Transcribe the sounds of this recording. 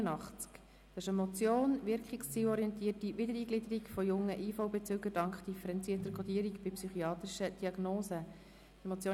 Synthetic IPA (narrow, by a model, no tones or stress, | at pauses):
ənɑχt͡sk | ɑsɪʃəmɔt͡sjoːnʋɪɾkχikst͡siːwɔɾiɛnt̪iːətiʋɪdəɾiːɡlɪd̪əɾikfɔjʊŋːəʔiːfɔwbɛt͡søːɡəɾd̥ɑŋkχd̪̥ifəɾɛnt͡siːɾtəɾkʰɔd̪iːɾikb̥ɪpsyχiɑːt̪ɾiʃəd̥iɑɡnoːsə | d̥ɛmɔt͡sjoː